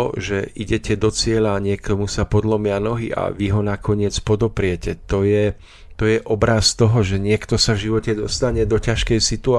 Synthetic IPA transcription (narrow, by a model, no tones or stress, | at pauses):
ɔʒɛʔiɟɛcɛd̪ɔt͡sɪɛlaɲɪɛkɔmusapɔd̪lɔmɪanɔɦia̰ʋiɦɔnakɔɲɪɛt͡spɔd̪ɔpɾɪɛcɛt̪ɔjɛ | t̪ɔjɛʔɔbɾast̪ɔɦɔʒɛɲɪɛkt̪ɔsavʒiʋɔcɛd̪ɔst̪aɲɛd̪ɔcaʃkɛjsit̪ua